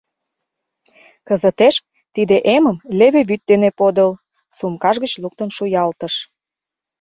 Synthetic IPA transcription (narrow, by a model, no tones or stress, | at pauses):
kə̆zət̪eʃ | t̪id̪eʔeməmleβĕβyt̪̚d̪enepod̪əl | sumkɑʒɣət͡ɕluk̚t̪ənʃujɑlt̪ə̆ʃ